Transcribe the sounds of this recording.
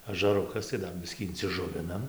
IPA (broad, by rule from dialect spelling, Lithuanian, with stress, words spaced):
ɐʒɐˈrʊkɐs tɐɪ ˈdɐr ˈbʲɪsʲkʲiː ɪnʲt͡sʲɪˈʒʊʋʲɪnɐm